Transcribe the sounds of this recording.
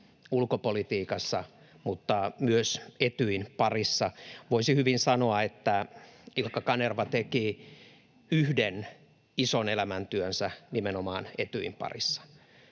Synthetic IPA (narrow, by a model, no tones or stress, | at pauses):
ulkopolit̪iːkɑsːɑ | mut̪ːɑmyøset̪yinpɑrisːɑʋoisihyʋinsɑnoɑet̪ːæilkːɑkɑnerʋɑt̪eki | yhden | isonelæmænt̪yønsænimenomɑːnet̪yimpɑ̰risːɑ̥